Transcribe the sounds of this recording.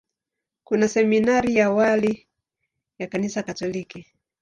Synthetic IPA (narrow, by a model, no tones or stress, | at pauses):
kunasɛminaɾijawali | jakanisakatɔliki